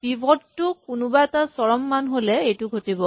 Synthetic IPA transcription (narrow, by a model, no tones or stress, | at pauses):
bibʱɔdtʊkʊnʊbaɛtasɔɹɔmːanɦolɛejtʊɡʱotibɔ